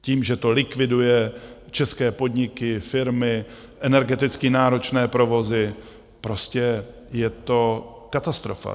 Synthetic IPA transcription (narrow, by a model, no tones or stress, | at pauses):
ciːmʒɛt̪o̞lɪkvɪdujɛ | t͡ʃɛskɛːpo̞dɲɪkɪfɪɾmɪ | ʔɛnɛɾɡɛt̪ɪt͡skinaːɾo̞t͡ʃnɛːpɾo̞vo̞zɪ | pɾo̞scɛ | jɛt̪o̞ | kat̪ast̪ɾo̞fa̰